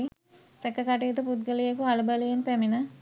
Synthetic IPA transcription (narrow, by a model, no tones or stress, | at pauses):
i | sekːɐkaʈeːt̪uput̪ɡɐlijɐkuɐlubɐlijɐnpeminɐ